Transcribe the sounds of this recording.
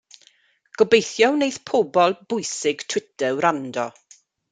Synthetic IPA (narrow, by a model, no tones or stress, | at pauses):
ɡ̥ɔbejθjɔwnejθpʰɔbɔlˠb̥ʊjsɪɡ̥tʰw̥ɪtɛwɾandɔ̰